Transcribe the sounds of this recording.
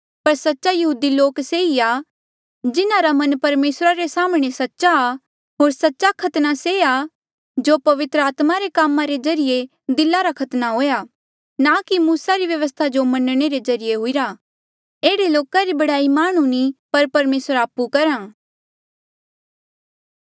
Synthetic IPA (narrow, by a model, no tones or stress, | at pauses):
pɐɾsɐtːʃajɐɦuːd̪iloːkseia | d͡ʒɪnaɾamɐ̃npɐɾmeːsɾaɾesaːmɽ̃esɐtːʃa | ɦoːɾsɐtːʃakʰɐt̪nasea | d͡ʒoːpɐʋɪt̪ɾəaːt̪maɾekaːmãɾezɐɾɪje | d̪ɪlaɾakʰɐt̪naɦoːja | nakimuːsaɾiʋjɐʋəs̬t̪ʰad͡ʒomɐnɽ̃eɾezɐɾijeɦʊiɾa | eːɽeloːkaɾibɐɽaːimaːɽ̃unipɐɾpɐɾmeːsɾaːpukɐɾãː